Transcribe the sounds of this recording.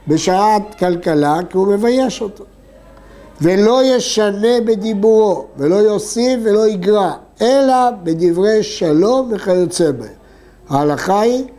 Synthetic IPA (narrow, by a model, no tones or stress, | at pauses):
beʃaat̪kalkalakiume̞vajeʃot̪ḁ | ve̞lo̞je̞ʃane̞bed̪ibuʁo̞velo̞jo̞sifvːe̞lo̞iɡʁa | e̞labed̪ivʁe̞jʃalo̞mːeχalot͡sebe | hahalaχai